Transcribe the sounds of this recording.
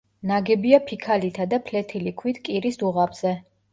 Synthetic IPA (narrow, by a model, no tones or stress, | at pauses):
naɡɛbiapʰikʰalit̪ʰad̪apʰlɛt̪ʰilikʰwit̪ʰkʼiɾisd̪uʁabz̥ɛ